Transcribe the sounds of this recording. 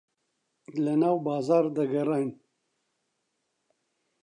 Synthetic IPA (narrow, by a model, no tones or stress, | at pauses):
lɐnaːwbɑːzɑːɾd̪ɐɡɐɾɑːjn